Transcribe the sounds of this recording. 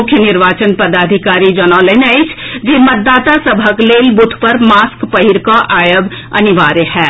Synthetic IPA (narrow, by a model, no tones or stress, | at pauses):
ʊkʰjənɪɾʋaːt͡ʃənpɐd̪aːd̪ʱɪkaːɾid͡ʒɔːnaːlənəɪt͡ʃd͡ʒeːmɐt̪̚d̪ːaːt̪asɐbʱəkleːlbʊt̪ʰpɐɾmaːskpɐɦiɾkaʔaːjəb | ɐ̰nɪʋaːɾeɦɛː